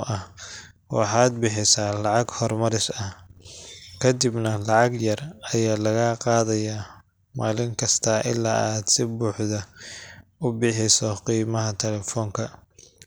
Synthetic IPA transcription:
ʔɐh | wɑ̰ħɑːd̪̚bɪħɪsaːlɑʕɑɡhɔrmɐɾɪsɐ | kʰɐd̪ibnɐlɑʕɑɡjɐrɐjaːlɐɣaːqɑːðɐjaː | maːlɪŋkʰɐst̪ʰaːʔɪ̰lːa̰ːaːd̪sɪbuːħðɐ | ʊbɪħɪsɔqiːmɐɦɐt̪ʰɛlɛfɔːŋkʰɐ

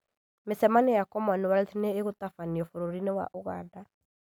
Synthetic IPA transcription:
mesɛmanejakɔmɔnewaɾetineːɣotafaniɔfoɾoɾinewa̰ʔoɣa̰ːnda

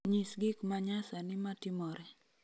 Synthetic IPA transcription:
ɲisɡɪkmaɲasanɪmatɪmɔɾɛ

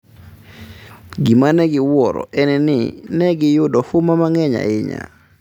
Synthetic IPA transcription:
ɡimanɛɡɪwɔɾɔ̰ɛnɛnɪ̰nɛɡɪjʊdɔfʊmamaŋɛɲa̰ɪɲa̰

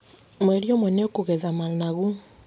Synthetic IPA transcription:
mɛɾjomwɛneokoɣɛðamalnaɣu

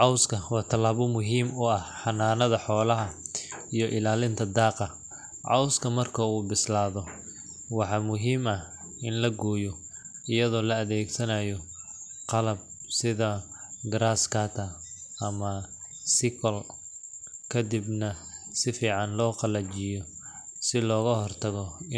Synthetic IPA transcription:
ʕɑwskʰɐwɑːt̪ʰɐlaːβɔmʊɦiːmʊɐhħɑnaːnɐðɐħɔːlɐɦɐijɔʔɪlaːlɪnt̪ʰɐd̪ɑːqɑ | ʕɑ̰wskʰɐmɐrkʰɐuːbɪslaːðɔ | wɑħɑːmʊɦiːmɐh | ɪnlɐɡɔːjɔ | ɪjɐðɔːlɐːðɛːɡsɐnajɔ | qɑlɐb̚sɪðɐɡɾaːskʰɐt̪ʰɐɐmɐsɪkʰɐl | kʰɐd̪ɪbnɐsɪfiːʕɑnlɔːqɑlɐt͡ʃɪjɔ | sɪlɔːɣɐhɔrt̪ʰɐɣɔ

